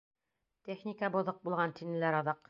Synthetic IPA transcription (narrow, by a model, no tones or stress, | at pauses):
t̪ʲeχnʲikabŏðoq̚bulˠʁɑnt̪inɘ̆læɾɑðɑq